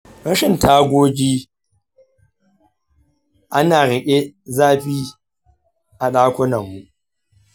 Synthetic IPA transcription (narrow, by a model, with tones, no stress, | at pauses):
ɽɐ˦ʃɪ˨ntʰaː˦ɡʷoː˦d͡ʒiː˦ | ʔa˦naː˨ɽɪ˨kʲʼe˦zaː˦ɸiː˦ | ʔa˨ɗaː˦kʷʊ˦nɐ˨mːu˨ʔ